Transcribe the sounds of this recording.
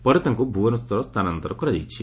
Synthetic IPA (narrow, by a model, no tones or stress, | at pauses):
pɐɾut̪ɐŋkubʱuːʋɐnust̪ɐɾost̪ɐnɐnt̪ɐɾɐkuɾɐd̪ḭt͡ʃːi